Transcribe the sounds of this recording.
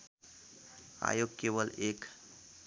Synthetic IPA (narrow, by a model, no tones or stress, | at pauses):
a̰joɡ̚keʋəlek